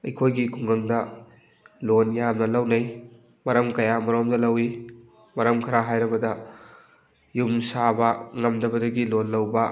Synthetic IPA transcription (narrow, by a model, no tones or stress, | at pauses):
ɐjkʰojɡikʰuŋɡɐŋdɐ | lonjamnɐlɐwnɐj | mɐɾɐmkɐjamɐɾomdɐlɐwi | mɐɾɐmkʰɐɾaɦajɾɐbɐdɐ | jumsabɐŋɐmdɐbɐdɐɡilonlɐwbɐ